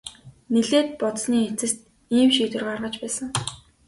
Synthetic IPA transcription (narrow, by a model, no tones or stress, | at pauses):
neɮeːt̪̚pɔt̪sniːet͡sɘ̆st̪ | iːmʃiːt̪wɘ̆rʁarʁə̆t͡ɕpæːsə̆ŋ